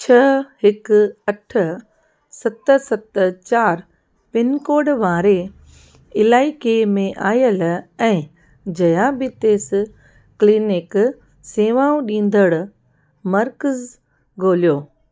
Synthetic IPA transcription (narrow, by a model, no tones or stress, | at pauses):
t͡ɕʰɐɦɪkɐʈʰ | sɐt̪əsɐt̪t͡ɕaːɾ | pɪnkoːɖʋaːɾe | ɪlaːɪkemẽʔaːjəlɛ̃ː | d͡ʑɐjabɪt̪eːs | kliːnɪk | seːʋaːũɗĩːn̆d̪əɽʊ | mɐɾkəz | ɡʱoːlijoː